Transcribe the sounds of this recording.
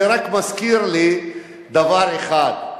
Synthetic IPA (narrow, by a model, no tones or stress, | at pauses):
ɾɐkmɐskiːɾli | d̪ɐʋaːɾixaːt̪̚